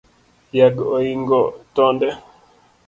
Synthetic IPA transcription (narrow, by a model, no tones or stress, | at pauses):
jaɡojiŋɡɔtɔndɛ